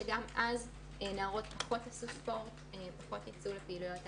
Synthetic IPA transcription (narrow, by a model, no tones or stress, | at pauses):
eɡamʔaz | enaːʁo̞tpaχo̞tasuspo̞ʁt | epaχo̞tjat͡sulepeilujo̞t